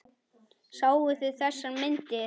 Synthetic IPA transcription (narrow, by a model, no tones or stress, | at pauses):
saːwvʏθɪðθɛsːamɪnt̪ɪ